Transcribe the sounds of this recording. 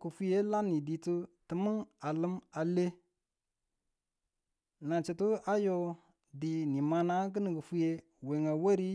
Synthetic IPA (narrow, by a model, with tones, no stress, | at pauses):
kə˨fu˦je˦la˦ni˨di˨tu˦tə˨mə˦ŋa˨lə˦ma˨le˦ | na˨t͡ʃi˨tu˦a˦jo˦ | di˨ni˨ma˨na˦ɡ̬ə˦nə˨ɡə˨fu˦je˦ | we˨ŋa˨wa˦ɾi˦